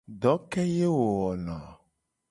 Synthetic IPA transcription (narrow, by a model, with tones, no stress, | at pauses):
ɖ̪ɔ˨˦kɛ˦je˦wo˨wɔ˨nã˨